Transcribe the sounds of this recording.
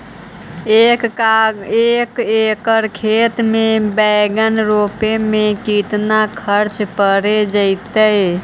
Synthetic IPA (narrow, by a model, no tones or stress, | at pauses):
ek | ekekəɾkʰet̪mebəjɡənɾopemekit̪nakʰəɾt͡ʃpəɾed͡ʒəɪt̪ə